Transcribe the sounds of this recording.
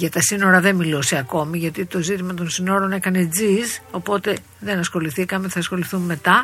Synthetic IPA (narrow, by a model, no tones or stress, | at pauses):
ʝɐt̪ɐsino̞ɾɐðe̞nmiloseɐko̞miʝɐt̪it̪o̞zit̪imɐt̪o̞nsino̞ɾo̞ne̞kɐne̞d͡zizo̞po̞t̪e̞ | ðe̞nɐsxo̞liθikɐmeθɐːsxo̞liθumːe̞t̪ɐ